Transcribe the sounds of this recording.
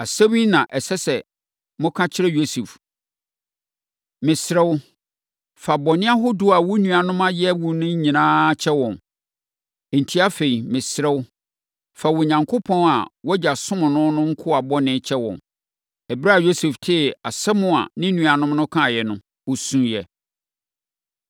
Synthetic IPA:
a˨se˦mĩ˦nã˨ʔɛ˨sɛ˦sɛ˨ | mʊ̃˦kʰã˦t͡ɕʰɪ˦ɾɛ˦jo˦su˨f | mɪ̃˨sɾɛ˦w | fa˨bɔ˨nɪ̃˦a˦ɦʊ˦dʊ˦a˨wʊ˦nũ˨a˨nʊ̃˦mã˦jɛ˦wu˨nʊ̃˦ɲ˦ɲĩ˨nãː˦t͡ɕʰɛ˦wɔ̃˨n˨ | n̩˨tʰi˦a˦fe˨i˨mɪ̃˨sɾɛ˦w | fa˨wɔ˨ɲã˨ŋkʰʊ˦pʰɔ̃˦na̰˨wɔ˦d͡ʑa˨sʊ̃˦mʊ̃˨nʊ̃˦nʊ̃˦ŋ̩˦kʰʊ˦a˨bɔ˦nɪ̃˦t͡ɕʰɛ˦wɔ̰̃˨n | ɛ˨bɾa˦˨jo˦sɛ˨ftʰɪ˦˨a˨sɛ˦mʊ̃˦a̰˨nɪ̃˦nũ˨a˨nʊ̃˦mnʊ̃˦kʰã˦˨jɛ˨nʊ̃˦ | wʊ˨sũ˨˦jɛ˨

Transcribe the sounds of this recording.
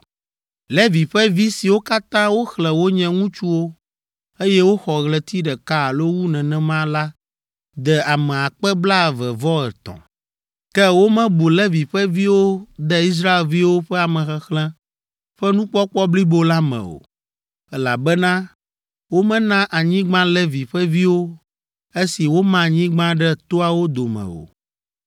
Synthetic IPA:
lɛ˦vi˨ɸɛ˦vi˦si˨wo˦ka˦t̪ã˦wo˦xlɛ̃˨wo˦ɲɛ̃˦ŋũ˦t͡ʃu˦wo˦ | e˦jɛ˦wo˦xɔ˨ɣlɛ˦t̪i˦ɖɛ˨ka˦˨lo˦wu˦nɛ̃˨nɛ̃˦mã˦la˦ | d̪ɛ˨a˨mɛ̃˨a˨k͡pɛ˦bla˦˨vɛ˨vɔ˦ɛ̰˨t̪ɔ̰̃˨ | kɛ˦wo˦mɛ̃˦bu˨lɛ˦vi˨ɸɛ˦vi˦wo˦d̪ɛ˦i˦s̬ɾa˦e˨lvi˦wo˦ɸɛ˦a˨mɛ̃˨xɛ˦xlɛ̃˦ | ɸɛ˦nũ˦k͡pɔ˦k͡pɔ˦bli˦bo˦la˦mɛ̰̃˨o̰˨ | ɛ˦la̰˨bɛ˦nã˦ | wo˦mɛ̃˦nã˦ʔa˨ɲĩ˦ɡ͡bã˦lɛ˦vi˨ɸɛ˦vi˦wo˦ | e˦si˨wo˦mã˦˨ɲĩ˦ɡ͡bã˦ɖɛ˦t̪o˦a˨wo˦d̪o˨mɛ̰̃˨o̰˨

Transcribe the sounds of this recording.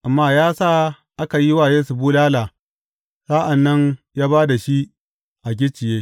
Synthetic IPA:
ʔa˨mːaː˦jaː˦saː˦ | ʔa˦ka˨ji˦waː˦˨jeː˦su˨buː˦laː˦laː˨ | saː˦ʔa˨nːɐ˦ɲjaː˦baː˦da˨ʃi˦ | ʔa˨ɡ̬ʲɪ˦t͡ʃɪ˨jeː˦

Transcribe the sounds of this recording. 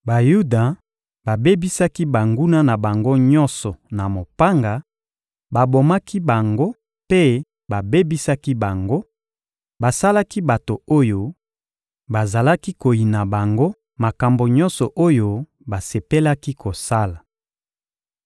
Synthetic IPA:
ba˨ju˦da˨ | ba˨be˦bi˦sa˦ki˦ba˨ŋɡu˦na˦na˨ba˨ŋɡo˦ɲɔ˦nsɔ˨na˨mo˨pa˦ŋɡa˨ | ba˨bo˨ma˦ki˦ba˨ŋɡo˦ | pe˦ | ba˨be˦bi˦sa˦ki˦ba˨ŋɡo˦ | ba˨sa˦la˦ki˦ba˨to˨o˦jo˨ | ba˨za˨la˦ki˦ko˨ji˨na˨ba˨ŋɡo˦ | ma˨ka˨mbo˨ɲɔ̃˦nsɔ˨ʔo˦jo˦ | ba˨se˨pe˦la˦ki˦ko˨sa˦la˨

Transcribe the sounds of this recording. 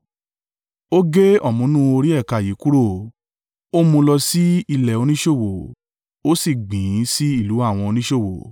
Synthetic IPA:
o˦ɡe˦ɔ˦˨mũ˨˦nũ˦o˧ɾi˦ɛ˦˨ka˨ji˨˦ku˦ɾo˦˨ | o˦mũ˧lɔ˧si˦i˧lɛ˨o˧nĩ˦ʃo˦˨wo˨ | o˦si˦˨ɡ͡bĩ˨˦si˦i˦˨lu˨˦a˦˨w̃ɔ̃˧o˧nĩ˦ʃo˦˨wo˨

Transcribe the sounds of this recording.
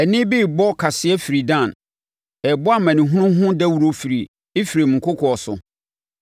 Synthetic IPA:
ɛ˨nɪ̃˦biː˦bɔ˦kʰa˨sɪ˨˦ɛ˦fi˨ɾi˨dã˦˨n | ɛ˨bʊ˦a˦mã˨nĩ˨ɦʊ̃˦nʊ̃˦ɦʊ̃˦dæ˦wu˨ɾo˦fi˨ɾi˨ | e˦fi˨ɾi˨m̩̃˨ŋ̩˨kʰʊ˦kʰɔ˨sʊ̰˨

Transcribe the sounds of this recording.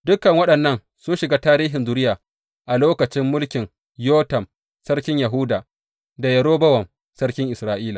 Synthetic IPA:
dʊ˦kːɐ˨ŋwɐ˦ɗɐ˨nːɐ˦n | sʊ˦nʃɪ˨ɡaː˦taː˦ɾiː˦ɦɪ˨nzʊ˦ɾɪ˦jaː˨ | ʔa˨loː˦kɐ˨t͡ʃɪ˦mːʊ˦lkʲɪ˨ŋ | joː˦tɐ˨m | sɐ˦ɾkʲɪ˦ɲjɐ˨ɦʊ˦daː˨ | da˨jɐ˨ɽoː˦bɐ˦wɐ˨m | sɐ˦rkʲɪ˦ŋʔɪ˨sɾaː˦ʔiː˦laː˨

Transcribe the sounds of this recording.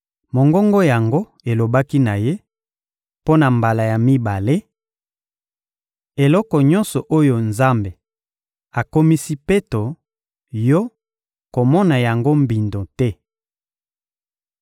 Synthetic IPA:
mo˨ŋɡɔ˦ŋɡɔ˦ja˨ŋɡo˦ | e˨lo˨ba˦ki˦na˨je˦ | po˦na˨mba˨la˨ja˨mi˦ba˨le˦ | e˨lɔ˦kɔ˨ɲɔ̃˦nsɔ˨ʔo˦jo˨nza˦mbe˨ | a˨ko˦mi˦si˦pe˦to˨ | jɔ˦ | ko˨mɔ˦na˨ja˨ŋɡo˦mbi˨ndo˨tɛ˦

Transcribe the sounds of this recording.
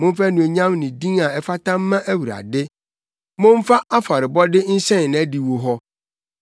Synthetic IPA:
mʊ̃˦m̩˦fæ˦nũ˨e˨ɲã˦mnɪ̃˨dĩ˦ŋa˨ɛ˨fa˦tʰã˦mː˦ã˦ʔæ˦wu˨ɾa̰˨dɪ˦ | mʊ̃˦m̩˦fa˦ʔa˦fa˨ɾɪ˨bɔ˦dɪ˦n̩˦sɛ̃˦n˨n˨æ˦di˨wo˨ɦɔ˦

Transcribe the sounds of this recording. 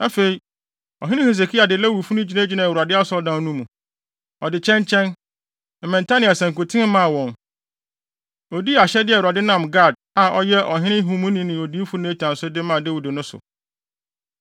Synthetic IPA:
a˦fe˨i˨˦ | ɔ˨ɦɪ̃˦nɪ̃˦he˨s̬e˨kʰi˦a˨dɪ˨læ˦wu˨fu˦nʊ̃˦d͡ʑi˨nã˦d͡ʑi˦nã˨wu˨ɾa˨dɪ˦a˦sɔ˦ldã˦n˦nũ˦mũ˨ | ɔ˨dɪ˨t͡ɕʰɛ̃˦nt͡ɕʰɛ̃˦n̩˨ | mɛ̃˨n˨tʰa˦nĩ˨a˨sɛ̃˨ŋ˨ku˨tʰɪ̃˦n˦mã˦˨wɔ̃˨n | o˨di˦a˨ɕɛ˦dɪ˦˨a˨dɪ˦nã˦˨mɡa˦˨d̚a˨ɔ˦jɛ˦ʔɔ˨ɦɪ̃˦nɪ̃˦ɦũ˦mũ˦nĩ˦nɪ̃˨o˨di˦fu˦ñ˦t͡ɕʰã˨nsʊ˦dɪ˦mã˨de˦wu˨dɪ˨nʊ̃˦sʊ̰˨

